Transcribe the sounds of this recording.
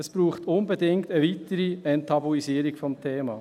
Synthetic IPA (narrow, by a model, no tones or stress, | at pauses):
əsb̥ɾuːχtʊnbɛdɪŋktəʋit̪əɾiɛntʰɑboisiːɾikfɔmtʰeːmɑ̰ː